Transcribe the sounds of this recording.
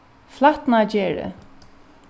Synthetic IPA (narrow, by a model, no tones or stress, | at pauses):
flat̪nad͡ʑɛːɹə̰